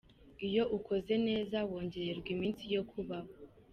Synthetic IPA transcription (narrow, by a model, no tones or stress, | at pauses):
ijo̞ʔukʰo̞ze̞ne̞ːzawo̞ːɲɟe̞ɾe̞ɾɡwimiːnsijo̞kʰuβaho